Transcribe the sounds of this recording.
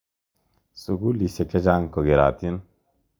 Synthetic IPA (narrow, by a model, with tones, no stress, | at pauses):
sʼuɡulise˨ke˦d͡ʑaː˦ŋko˨ɡe˨ɾa̰ːt̪i˦n